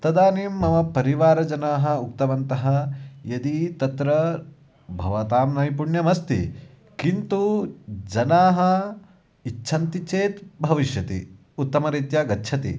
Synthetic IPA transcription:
t̪ɐd̪aːniːmːɐmɐpɐɾiʋaːɾɐd͡ʒɐnaːɦɐ̆ukt̪ɐʋɐnt̪ɐɦɐjɐd̪it̪ɐt̪ɾɐ | bʱɐ̰ʋɐt̪aːmnɐjipuɳjɐmɐst̪ḭ | kint̪ud͡ʒɐnaːɦɐ | itːʃʰɐnt̪it͡ʃeːt̪bʱɐʋiʃjɐt̪ḭ | ut̪ːɐmɐɾiːt̪jaɡɐtːʃʰɐt̪ḭ

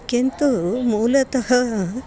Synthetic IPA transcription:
kent̪umuːlɐt̪ɐɦɐ

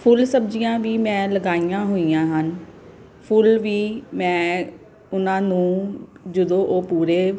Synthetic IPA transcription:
pʰʊlsəbd͡ʒijãːʋiːmɛ̃ːləɡaːijãːɦoːijãːɦən | pʰʊlʋiːmɛ̃ː | ʊnãːnũːd͡ʒəd̪õːʔoːpuːɾeː

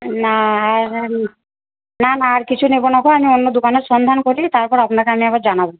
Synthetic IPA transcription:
naaɾ | nanaːɾkit͡ɕʰunebonakɔamionːod̪ukaneɾsɔnd̪ʱankoɾit̪aɾpɔɾapɔnakeamiabaɾd͡ʒanabo

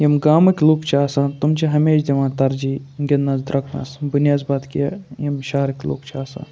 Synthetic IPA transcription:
jɐmɡaːmɐkʲluːkt͡ʃʰaːsãːnt̪umt͡ʃʰiɦɐmeːʃd̪ʲeʋãːt̪ɐɾd͡ʒiːɡʲɐnːɐzd̪ɾɐkʰnɐ̰sbunjaːzbaːd̪kijɐjɐmʃaːɾɐkʲlṵːkt͡ʃʰaːsã̰ː

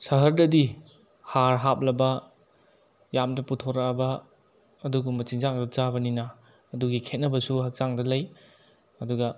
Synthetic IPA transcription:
sɐɦɐɾdɐdi | haɾɦap̚lɐbɐ | jamdɐputʰoɾaɐbɐː | duɡumɐt͡ʃiŋzaŋdɐzabɐninɐː | duɡikʰet̚nɐbɐsuɦɐk̚z̥aŋdɐlɐj | ɐduɡɐ

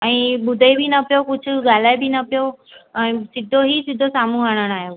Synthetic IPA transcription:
ɛ̃ːɓʊd̪ʱəibʱinɐpijokʊd͡ʑʱʊ̆ɡaːl̤aːebʱɪnɐpijoɛ̃ːsɪd̪ʱoɦisɪd̪ʱosaːm̤ũɦəɽ̃əɽ̃aːɦjoː

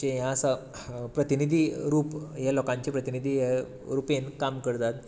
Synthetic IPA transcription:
ejãsa | pɾət̪inid̪ʱiɾuːpjalɔkãɲt͡ɕepɾət̪inid̪ʱija | ɾupenkamkəɾt̪at̪

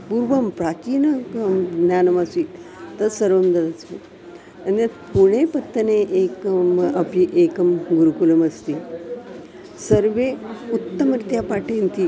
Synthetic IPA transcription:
puɾʋəmpɾat͡ɕiːnəkmnjanɐmasiːlt̪əsəɾʋəmd̪əd̪ase | ənetpuɽ̃epət̪ːəneʔekəməpiʔekəmɡuɾukulɐməst̪iː | səɾʋeut̪ːəmɾit̪japaʈent̪iː

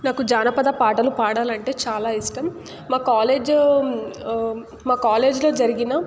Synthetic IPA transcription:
naːkud͡ʒaːnɐpɐd̪ɐpaːʈɐlupaːɽaːlɐɳʈe̞ːt͡ʃaːlaːisʈɐmː | aːkaːle̞ːd͡ʒ | maːkaːle̞ːd͡ʒlo̞ːd͡ʒɐɾiɡinɐ

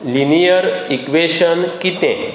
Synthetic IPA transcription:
linijəɾikʋeɕənkit̪ẽ

